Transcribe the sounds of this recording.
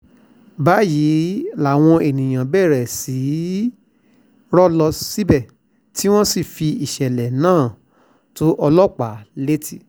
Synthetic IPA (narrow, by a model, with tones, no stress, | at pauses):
ba˨˦ji˨˦la˨w̃ɔ̃˧e˨nĩ˨j̃ã˨bɛ˦˨ɾɛ˨si˨˦ | ɾɔ˦lɔ˧si˦bɛ˦˨ | ti˦w̃ɔ̃˦si˦˨fi˧i˨ʃɛ˨lɛ˨nãː˦˨ | to˨˦ʔɔ˧lɔ˦k͡pa˨˦le˦tʰi˦˨